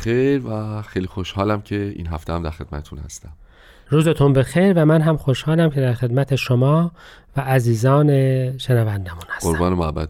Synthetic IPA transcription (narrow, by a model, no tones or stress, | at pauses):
xejɾvæxejlixoʃhɒːlæmcʰe̞ḭːnɦæft̪eæmd̪æɾxe̞d̪̥mæ̰t̪et̪ʰunhæ̰st̪æm | ɾuːze̞t̪ʰunbe̞xejɾvæmænɦæmxoʃhɒːlæmcʰe̞d̪æɾxe̞d̪mæt̪ʰe̞ʃomɒː | væʔːziːzɒːneʃenævænd̪æmunhæ̥soɾbɒːnemoæbːæ̰